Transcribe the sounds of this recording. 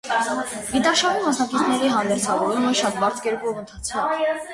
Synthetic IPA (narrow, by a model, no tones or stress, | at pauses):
ɡit̪ɑʃɑvimɑsnɑkit͡sʰnɛɾiɦɑnd̪ɛɾt͡sʰɑvɔɾumɛʃɑt̪̚bɑɾt͡sʰkɛɾkɔvənt̪ʰɑt͡sʰkɔv